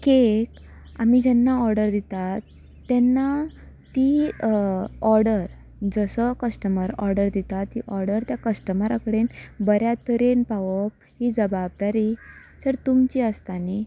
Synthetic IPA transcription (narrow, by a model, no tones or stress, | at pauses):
kek | a̰mid͡ʑɛnːaɔɾɖəɾd̪it̪at̪ː | ɛnːa | t̪i | ɔɾɽəɾ | d͡zəsəkəsʈəməɾɔɾɖəɾd̪it̪at̪ːiʔɔɾɽəɾt̪jakəsʈəməɾakəɽenbəɾjat̪əɾenpaʋəp̚ɦid͡zəbab̚d̪aɾisəɾt̪umt͡ɕiəst̪ani